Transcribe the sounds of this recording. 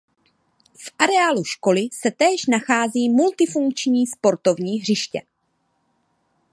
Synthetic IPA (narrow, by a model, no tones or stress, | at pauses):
fʔaɾɛaːluʃko̞lɪsɛt̪ɛːʃnaxaːziːmult̪ɪfuŋk̚t͡ʃɲiːspo̞ɾt̪o̞vɲiːɦr̝ɪʃcɛ̰